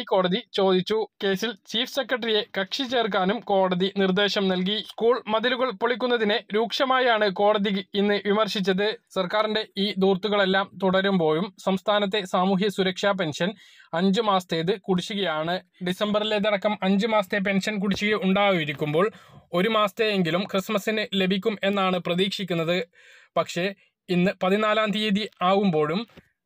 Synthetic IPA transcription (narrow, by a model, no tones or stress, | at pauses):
ikːo̞ːɽɐðit͡ɕo̞ːd̪it͡ɕːuke̞ːsilt͡ɕiːfse̞kːrɐʈrije̞kɐkʂit͡ɕe̞ːrk̬aːnumko̞ːɽɐðinird̪e̞ːɕɐmnɐlk̬iskuːɭmɐðiluɣɐɭpoɭik̬ʲːunːɐðineɾuːkʂɐmaːjaːɳɨko̞ːɽɐðiɣɨinːɨʋimɐrʂit͡ɕːɐðɨsɐrkaːrinde̞iːd̪uːrt̪ːuɣɐɭe̞lːaːmt̪uɽɐɾumbo̞ːjumsɐmst̪ʰaːnɐt̪̬ːe̞saːmuːɦjɐsuɾɐkʂaːp̬e̞nʂɐn | ɐɲd͡ʑɨmaːst̪eːðɨkuɽit͡ɕːuɣɐjaːɳɨɖisɐmbɐrileðɐɽɐkːɐmɐɲd͡ʑɨmaːst̪ep̬e̞nʂɐnk̬uɽit͡ɕːuɣɐuɳɖaːɣujiɾikʲːumbo̞ːɭo̞ɾumaːst̪eeŋɡilumkrismɐsinɨle̞bʱikʲːume̞nːaːɳɨprɐðiːkʂikʲːunːɐðɨ | pɐkʂe̞ | inːɨpɐðinaːlaːnt̪iːðiaːɣumbo̞ːɭum